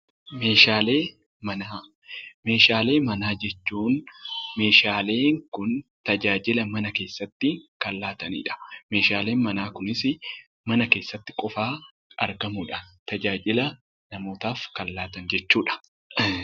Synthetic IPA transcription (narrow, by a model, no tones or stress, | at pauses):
me̞ːʃaːle̞ː | mɐnaː | me̞ːʃaːle̞ːmɐnaːd͡ʒɛt͡ʃːuːnme̞ːʃaːle̞ːŋkʊnt̪ɐd͡ʒaːd͡ʒɪlɐmɐnɐke̞ːsːɐt̪ːɪkɐlːaːt̪ɐnḭːᶑɐ̥me̞ːʃaːle̞ːnmɐnaːkʊnɪsɪ | mɐnɐke̞ːsːɐt̪ːɪ̥kʼɔfaː | ɐ̰ɾɡɐmuᶑɐ̥t̪ɐd͡ʒaːd͡ʒɪlɐ | nɐmo̞ːt̪aːfkɐlːaːt̪ɐnd͡ʒɛt͡ʃːuːᶑɐ̥